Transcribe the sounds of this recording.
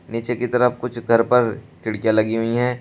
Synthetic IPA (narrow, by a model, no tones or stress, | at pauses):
niːt͡ʃekit̪ɐɾəfkʊt͡ʃʰɡʱɐɾpɐɾkɪɽkijalɐɡiɦʊiɦɛ̃ː